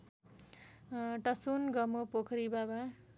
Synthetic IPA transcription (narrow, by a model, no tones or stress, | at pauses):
ʈʌsunɡʌmopokʰɾibaba